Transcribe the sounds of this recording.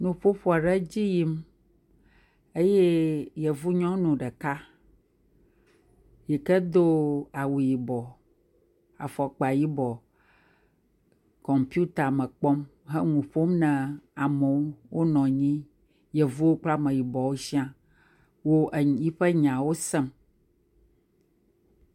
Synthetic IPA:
nũ˨ɸo˦ɸo˦a˨ɖɛ˦d͡ʑi˦ji˦m | e˦je˦je˨vu˦ɲɔ̃˦nũ˨ɖɛ˨ka˦ | ji˨kɛ˦d̪o˦a˨wu˨ji˨bɔ˨ | a̰˨fɔ˨k͡pa˨ji˦bɔ˨ | kɔ˨mpi˦u˦t̪a˨mɛ̃˨k͡pɔ˦m | ɦɛ˦ŋũ˨ɸo˦mnɛ̃˨a˨mɛ˨wo˦wo˦nɔ̃˨ɲĩ˦ | je˨vu˦wo˦k͡pla˦mɛ̃˨ji˨bɔ˨wo˦si˦ã˦ | wo˦ʔji˦ɸɛ˦ɲã˨wo˦sɛ˦m

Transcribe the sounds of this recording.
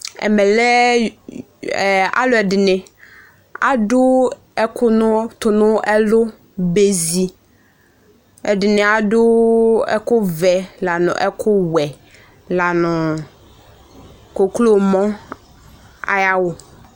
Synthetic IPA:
ɛ̰˨mɛ˨lɛ˦˨ | a̰˦lʊ˦ɛ˨dɪ˨nɪ̃˨ | a̰˨ɖʊ˦ | ɛ˦kʰʊ˦nʊ˦t̪ʊ˨nʊ̃˦ʔɛ˦lʊ˦ | be˨zi˨ | ɛ˨dɪ˨nɪ˨a˨dʊ˦ɛ̰˦kʊ˦vɛ˨la˨nʊ̰̃˨ʔɛ˦kʰʊ˦wɛ˨ | la˨nʊ̃˨ | ko˨klo˦mɔ̃˦ | a̰˨ja˦wʊ˨

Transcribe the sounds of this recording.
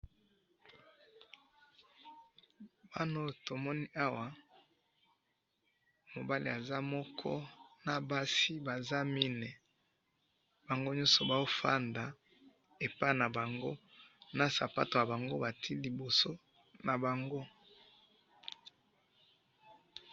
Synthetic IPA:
b̥a˦no˦to˨mɔ˦ni˦ʔa˦wa˨ | mo˨ba˦lḭ˨a˨za˦mɔ˦kʰɔ̰˦na˨ba˦si˦ba˨za˦mi˦ne˨ | ba˨ŋɡo˦ɲɔ˦sɔ˨ba˨o˦fa˦nda˨ | e˨pa˦i˨na˨ba˨ŋɡo˦ | na˨sa˨pa̰˦to˨ja˨ba˨ŋɡo˦ba˨tʰi˦li˨bo˨so˦ | na˨ba˨ŋɡo˦

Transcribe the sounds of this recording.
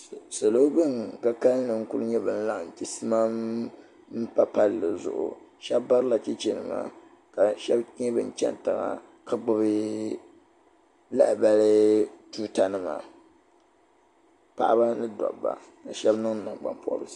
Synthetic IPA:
sa˨lo˦bɨ˦ŋka˦ka˦lnɨ˨ŋ̩˦kʊ˦lɨ˦ɲɛ˦bɨ˨n̩˦la˦˨n̩˨ti˨sɨ˦ma˦m | m̩˦pa˦pa˦llɨ˨zʊ̰˨ʔʊ̰˨ | ʃɛ˦bba˦ɾɨ˦la˨ti˦t͡ʃi˦nɨ˨ma̰˨ | ka˨ʃɛ˦bɲɛ˦bɨ̰˨n̩˦˨t͡ʃɛ̰˦n˨tɨ˨ŋa̰˨ | ka˨ɡ͡bʊ˦bɨ˦ | la̰˦ʔba˦lɨ˦tuː˦ta˦nɨ˦ma̰˨ | pa̰˦˨ʔa˦ba˦nɨ˦dɔ̰˨ba̰˨ | ka˨ʃɛ˦bnɨ˦ŋ̩˦nɨ˨ŋ˨ɡ͡ba̰˨mpɔ˦ʔbɨ˨˦

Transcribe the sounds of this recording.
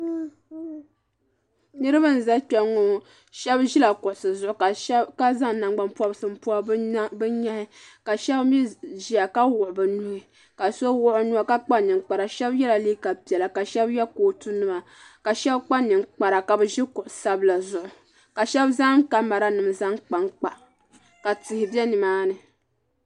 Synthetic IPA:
nɨ˦ɾɨ˦bɨ˦n̩˨za˦k͡pɛ˦ŋːo˨ | ʃɛ˦bʒi˦la˨kʊ˨ʔʊ˨sɨ˨zʊ˦ʔʊ˨ka˨˦ka˦za˦ŋ˨na˨ŋɡ͡ba˦mpu˦a˦bsɨ˨m̩˦pu˦a˦bɨ˦ɲa˦ɪ˦ka˨ʃɛ˦bmi˦ʒi˨a˨ka˦wʊ˨ʔʊ˨bɨ˨nu˨˦hɪ˨ | ka˨so˦wʊ˦ʔʊ˦nu˦a˦ka˦k͡pa˦nɨ˨ŋk͡pa˨ɾa˨ʃɛ˦bjɛ˦la˨li˦ka˨pi˨ɛ˨la˨ka˨ʃɛ˦bjɛ˦koː˨˦tu˦nɨ˦ma˨ | ka˨ʃɛ˦bk͡pa˦nɨ˨ŋk͡pa˨ɾa˨ka˨bɨ˦ʒi˦kʊ˨ʔʊ˨sa˦bla˨zʊ˨ʔʊ˨ | ka˨ʃɛ˦bza˦mka˦ma˨ɾa˦nɨ˨m˨za˦ŋk͡pa˦ŋk͡pa˨ | ka˨tɪ˨hɪ˨bɛ˦nɪ˨maː˦nɨ˨

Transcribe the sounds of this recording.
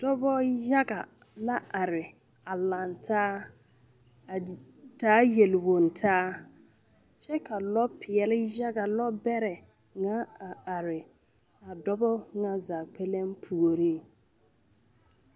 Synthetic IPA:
d̥ɔ˦bɔ˦ja˦ɡa˨ | la˦ʔa˨ɾɪ˨ | a˨la˨ntʰaː˦˨ | taː˦je˨lwo˨ntʰaː˦ | ʃɛ˦ka˨lɔ˦pʰɪ˨ɛ˨lɪ˦ja˦ɡa˨lɔ˦bɛ˦ɾɛ˨ | ŋa˦a˨a˨ɾɪ˨ | a˨dɔ˦bɔ˦ŋa˦za˨k͡pʰe˦le˦m˦pʰu˨o˨ɾi˦

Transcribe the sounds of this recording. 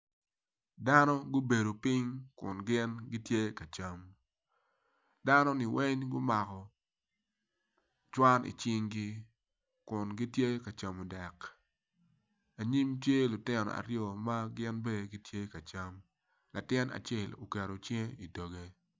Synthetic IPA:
da˦nɔ˦ɡʊ˦be˨do˨pɪ˦ŋkʊ̰˨nɡɪ˦nɡi˦tje˦ka˨t͡ʃa˦m | da˦nɔ˦nɪ˨wɛ˦ɲɡʊ˦ma˨kɔ˨ | t͡ʃwa˦nḭ˨t͡ʃɪ˦ŋɡi˦ | kʊ˨nɡi˦tje˦ka˨t͡ʃa˨mo˨dɛ˨k | a˨ɲi˦mtje˦lʊ˨tɪ˦nɔ̰˨a̰˨ɾjɔ˨ma˦ɡɪ˦nbe˦˨ɡi˦tje˦ka˨t͡ʃa˦m | lʔa˨tɪ˦na̰˨t͡ʃɛ˦˨lo˨ke˨ɾo˨t͡ʃẽ˦i˨do˨ɡe˦

